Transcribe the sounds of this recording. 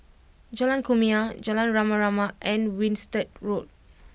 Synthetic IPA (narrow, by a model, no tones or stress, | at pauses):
d͡ʒalãnkumiad͡ʒalãnɹamaɹamaʔɛ̃nwĩnstət̚ɹot̚